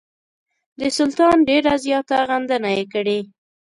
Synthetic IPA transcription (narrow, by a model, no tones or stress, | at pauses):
d̪əsʊlt̪ɑnɖeɾazjɑt̪aɣand̪ənajekəɽe